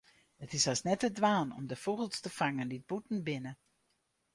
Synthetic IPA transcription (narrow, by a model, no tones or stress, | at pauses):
ətɪsasnɛtədʋaːnɔ̰mdəfoɣəlˠstəfaŋəndid̚butn̩bɪnə